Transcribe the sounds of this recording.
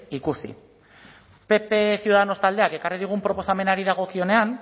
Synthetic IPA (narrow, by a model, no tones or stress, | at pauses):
ikusḭ | pe̞pe̞siuðaðano̞st̪ald̪e̞ake̞kariðiɣ̞umpɾo̞po̞same̞naɾiðaɣ̞o̞kio̞ne̞an